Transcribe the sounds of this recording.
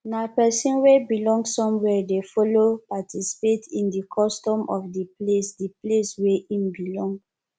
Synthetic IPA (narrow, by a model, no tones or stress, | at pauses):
napɛsĩnwebilɔ̃ŋɡsɔ̃mwɛdefɔlopatʰisi̥petʰĩndikʰɔstɔ̃mʔɔfdiplesdiplesweʔĩmbilɔ̃ŋɡ